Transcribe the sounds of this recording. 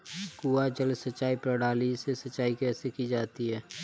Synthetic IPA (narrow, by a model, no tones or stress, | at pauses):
kuːad͡ʒəlsətːʃaːipɾəɽaːlisesətt͡ʃːʃaːikɛːsekid͡ʒaːt̪iɦɛː